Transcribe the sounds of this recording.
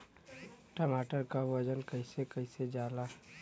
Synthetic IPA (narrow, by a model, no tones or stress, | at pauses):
ʈəmaːʈəɾkaʋɐd͡ʒənkəisekəɪsed͡ʒaːla